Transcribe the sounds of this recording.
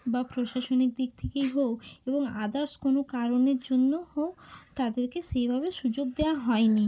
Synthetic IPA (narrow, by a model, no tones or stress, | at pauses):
bapɾoʃaʃonik̚d̪ikt̪ʰekejɦooeboŋad̪aɾskonokaɾoneɾd͡ʑonːohoot̪ad̪eɾkeʃejbʱabeʃud͡ʑoɡ̚d̪eaɦɔeni